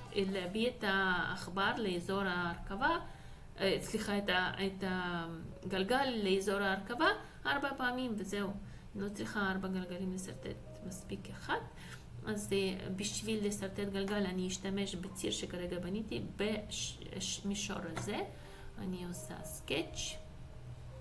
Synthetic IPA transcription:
leabiet̪aːχbaɾleezo̞ɾaːɾkava | t͡sliχaetaet̪a | ɡalɡalːeezoɾaːɾkava | aɾbapaːmimvezeu | lot͡sʁiχaaɾbaɡalɡalimlesaɾt̪ḛt̪ | maspikaχat̪ | azbiʃvilːesaɾt̪et̪ɡalɡalaniːʃt̪ameʃbet͡siɾʃekaɾeɡabanit̪ibe | ʃmiʃo̰ɾaze | a̰niosa̰sket͡ʃ

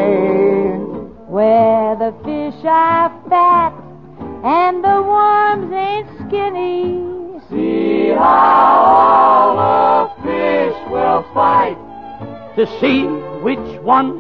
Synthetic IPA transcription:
n | wəðəfɪʃəfæɾ | ɨ̃nðəwɔɹmzɨ̃nskɪni̥ | sihaʊʊlðəfɪʃwɪlˠfaɪt | tʰɨsiwɪt͡ʃwʌ̃n

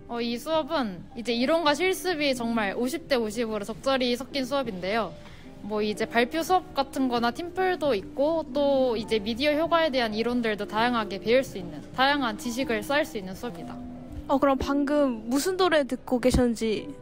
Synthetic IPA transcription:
ʌisʰuʌbɯnid͡ʑe̞iɾonɡaɕʰiɭs͈ɯbit͡ɕʌŋmaɭoɕʰip̚t͈e̞oɕʰibɯɾot͡ɕʌk̚t͡ɕ͈ʌɾisʰʌk͈insʰuʌbinde̞jo | mwʌid͡ʑe̞paɭpʰjosʰuʌp̚k͈atʰɯnɡʌnatʰimpʰɯɭdoik̚k͈ot͈oid͡ʑe̞midioçjoɡwae̞de̞ɦaniɾondɯɭdotajaŋɦaɡe̞pe̞ɯɭs͈uinːɯntajaŋɦant͡ɕiɕ̬ʰiɡɯɭs͈aːɭs͈uinːɯnsʰuʌimɲida | ʌkɯɾʌmpaŋɡɯmːusʰɯndoɾetɯk͈oke̞ɕʰʌdɯnd͡ʑi

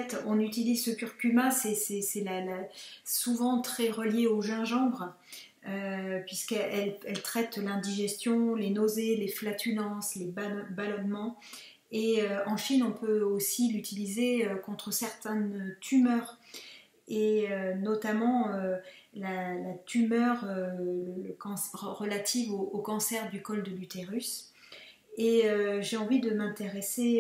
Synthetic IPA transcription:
ɛt̪ɔ̃nyt̪ilizsəkʲyʁkʲymasɛsɛsɛlalasuvɑ̃t̪χɛʁəljeoʒɛ̃ʒɑ̃bʁ | øpɥiskɛʔɛlɛlt̪χɛt̪lɛ̃d̪iʒɛst̪jɔ̃lenozeleflat̪ʰylɑ̃slebabalɔnmɑ̃ | eøɑ̃ʃinɔ̃pøosilyt̪ʰilizeøkɔ̃t̪χəsɛʁt̪ɛ̃nøt̪ymœːʁ | eønɔt̪amɑ̃ølalat̪ʰymœʁølləkɑ̃sʁəlat̪ʰivoːkɑ̃sɛʁd̪ykɔld̪əlyt̪eʁys | eøʒeɑ̃vid̪əmɛ̃t̪eʁese

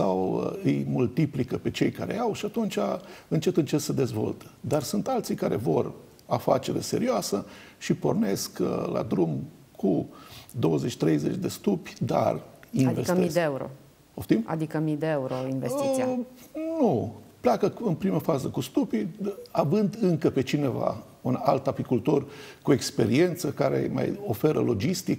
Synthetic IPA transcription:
sawəɨjmult̪iplikəpe̞t͡ʃe̞jkaɾe̞̰awʃiat̪unt͡ʃʲaɨnt͡ʃe̞t̪ɨnt͡ʃe̞t̪səd̪e̞zvo̞̰lt̪e̥d̪arsunt̪alt̪sijkaɾe̞̰vo̞r | afa̰t͡ʃe̞ɾe̞̰seɾioasə | ʃipo̞̰rne̞skəlʔa̰d̪ɾumkʰud̪o̞wəze̞t͡ʃʲt̪ɾe̞jze̞t͡ʃʲd̪e̞st̪upʲd̪a̰rinvesmid̪eeuɾo̰ | oft̪ima̰d̪ikəmid̪eeuɾoinvest̪it̪sianuplakəɨnpɾiməfazəkust̪upiavɨnd̪ɨŋkəpe̞t͡ʃine̞va̰ | unalt̪apikult̪o̞rkue̞kspeɾie̞nt̪səkaɾe̞̰ma̰jo̞fe̞ɾə̰lo̞d͡ʒist̪ik

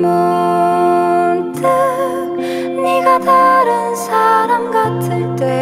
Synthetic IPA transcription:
mo | ntʰɯ | niɡat̪ʰaɾɯnsʰaɾamɡatʰɯɭt̪e

